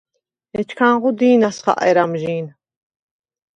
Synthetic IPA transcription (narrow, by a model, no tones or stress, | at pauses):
ɛt͡ʃʰkʰanʁud̪iːnasχa̰ʔɛ̰ɾamʒiːn